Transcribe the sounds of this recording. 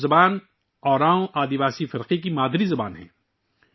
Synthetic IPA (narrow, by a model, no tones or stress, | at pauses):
zɐbaːn | ɔːɾãːõʔaːd̪iʋaːsifɪɾqikimaːd̪ɾizɐba̰ːnɦɛ̰̃ː